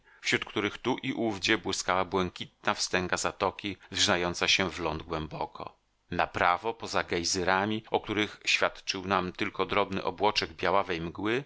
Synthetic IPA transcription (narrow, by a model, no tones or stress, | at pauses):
fɕɾut̪̚kt̪uɾɘxt̪uʔiʔuvd͡ʑɛbwɘskawabwɛŋkʲit̪̚nafst̪ɛŋɡazat̪ɔkʲizʐnajɔnt̪saɕɛvlɔnd̪̚ɡwɛmbɔkʰɔ̰ | napɾavɔpɔzaɡajzɛɾamʲiʔɔk̚t̪uɾɘxɕfʲjat̪t͡ʂɘwnamt̪ɘlkɔd̪ɾɔbnɘ̰ʔɔbwɔt͡ʂɛɡbʲjawavɛjmɡwɘ